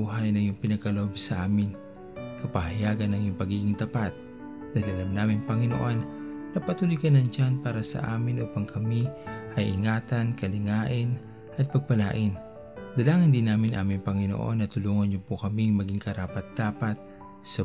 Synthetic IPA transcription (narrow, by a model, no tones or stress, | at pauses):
uɦajnɐŋjʊŋpɪnɐɡ̚kɐlɐhobsɐʔaːmɪn | kɐpɐhɐjaːɡɐnːɐŋjʊŋpɐɡiːɡɪŋt̪ɐpat̪̚ | d̪ajlʔɐlamnaːmɪŋpɐŋɪno̰ʔonːɐpɐt̪uːlʊjkɐnɐŋt͡ʃanpaːɾɐsɐ̰ʔa̰ːmɪnʔuːpaŋkʰɐmiʔɐjʔɪŋaːt̪ankɐlɪŋaːʔɪn | ʔɐt̪̚pɐɡ̚pɐlaːʔɪn | d̪ɐlaːŋɐnd̪ɪnaːmɪnʔa̰ːmɪŋpɐŋɪno̰ʔo̞̰nːɐt̪ʊluːŋonjʊpʊkɐmiŋmɐɡiŋkɐɾaːpɐt̪̚d̪̥aːpat̪̚ | sɐ